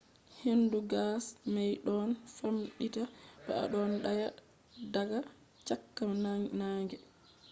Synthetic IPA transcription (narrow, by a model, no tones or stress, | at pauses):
henduɡasmajɗɔnfamɗitab̥a̰ʔa̰ɗɔnɗaja | daɡa | t͡ʃakːamnanaːŋɡɛ